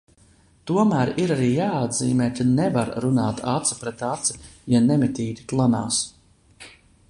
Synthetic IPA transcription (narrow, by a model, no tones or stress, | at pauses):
t̪uɔmæːɾiɾaɾiːjaːad̪ziːmɛːk̪anɛvaɾɾunaːt̪at̪si̥pɾɛt̪at̪si̥janɛmɛt̪iːd̪ʲi̥klˠana̰ːs